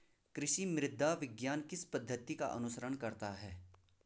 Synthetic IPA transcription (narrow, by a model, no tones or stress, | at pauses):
kɾɪʃimɾɪd̪ʱːaʋɪɡjaːnkɪspɐd̪ʱːət̪ika̰ʔɐ̰nʊsəɾəɳkɐɾt̪aɦɛː